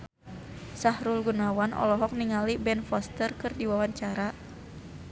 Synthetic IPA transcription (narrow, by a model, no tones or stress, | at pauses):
sahɾulɡunawanʔɔ̰lɔɦɔk̚niŋalibɛnfɔst̪ərkɨrdiwawaɲt͡ʃaɾa